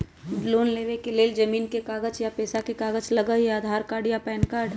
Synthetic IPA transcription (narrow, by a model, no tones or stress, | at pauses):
loːnleːʋekeleːld͡ʒɐmiːnkekaːɡət͡ʃjapɛːsakekaːɡət͡ʃlɐɡəjaːd̪ʱaːɾkaːɾɖjapɛːnkaːɾɖ